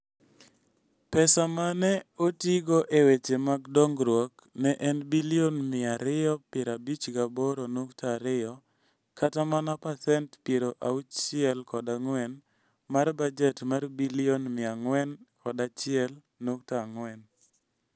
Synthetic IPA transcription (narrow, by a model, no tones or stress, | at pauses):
pɛsamanɛotiɡɔʔewet͡ʃemaɡdɔŋɡɾwɔk | nɛʔɛnbilionmɪaɾɪjɔpɪɾabit͡ʃɡabɔɾonoktaɾɪjɔ | kʰatamanapasɛntpjeɾoʔaut͡ʃt͡ʃɪɛlkɔdaŋwɛn | marbad͡ʒɛtmarbilɪonmɪaŋwɛnkɔdat͡ʃɪɛl | nok̚taŋwɛn